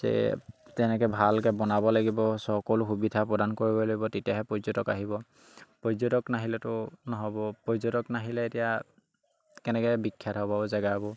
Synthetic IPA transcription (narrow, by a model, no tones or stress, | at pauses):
zɛ̰tɛnɛkɛbʱalkɛbɔnabɔlaɡibɔsɔkɔlʊxubidʱapɹɔdankoɹibɔlaɡibɔtetijaɦɛpɔzɔtɔkaɦibɔ | pɹɔzotɔknaɦilɛtʊnɔɦɔbɔpɹɔzotɔknaɦilɛetija | kɛnɛkɛbikʰːjatɦɔbaɔzaɡabɔ